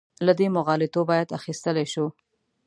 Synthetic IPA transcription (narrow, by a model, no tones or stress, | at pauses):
lad̪emʊɣɑlet̪obɑjad̪axist̪əleʃu